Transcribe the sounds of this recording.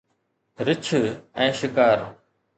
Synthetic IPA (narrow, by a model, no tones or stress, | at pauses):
ɾɪt͡ʃʰɛ̃ːʃɪkaːɾ